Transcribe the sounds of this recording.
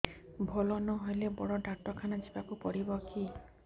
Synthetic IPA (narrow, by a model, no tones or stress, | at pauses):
bʱɔlɔnɔɦojlebɔɽɔɖaʈɔkʰanad͡ʒibakupɔɽibɔki